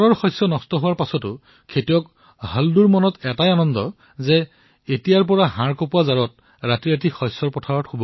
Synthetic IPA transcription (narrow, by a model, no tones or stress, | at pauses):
ɹɔɹxɔjsːɔnɔstɔɦʊwaɹpasɔtʊ | kʰetijɔk | halduɹmɔnɔtɛtajanɔndɔ | zɛ | etijaɹp̬ɔɹaɦãɹkopuazaɹɔt̚ | ɹatijatikhɔjsːɔɹpɔtʰaɹɔtxobɔ